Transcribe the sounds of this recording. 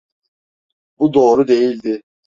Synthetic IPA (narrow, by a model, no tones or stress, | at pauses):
bud̪o̞ːɾud̪e̞jilʲd̪ɪ